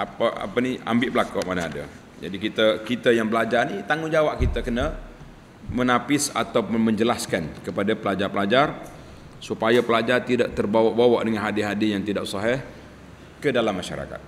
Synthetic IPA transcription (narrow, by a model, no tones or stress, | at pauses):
apaa̰pənia̰mbɪʔbəlakɔʔmanaːda̰ | d͡ʒa̰dikit̪əkit̪ajaŋbəlad͡ʒarnit̪aŋʊd͡ʒawaʔkit̪akəna | mənapɪsa̰t̪awməɲd͡ʒəlaskankəpadapəlad͡ʒarpəlad͡ʒar | supajapəlad͡ʒart̪idaʔt̪ərbawaʔbawa̰ʔdəŋanɦadiɦadijaŋt̪idaʔsɑɦɛh | kədalamːaʃa̰ɾa̰ka̰t̪̚